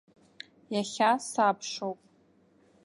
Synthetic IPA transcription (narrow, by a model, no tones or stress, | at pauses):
jaχʲasapʰʂowpʼ